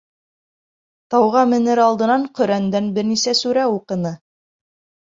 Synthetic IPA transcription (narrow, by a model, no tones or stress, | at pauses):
t̪ɑwʁɑmɘ̆nɘɾɑlˠd̪ɤ̆nɑɴqɵ̆ɾænd̪ænbɘɾnisæsʉɾæuqɤ̆nɤ